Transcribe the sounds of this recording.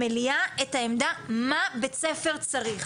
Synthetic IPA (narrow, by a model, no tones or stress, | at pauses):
eliaetaemdamabet͡sefeʁt͡saʁiχ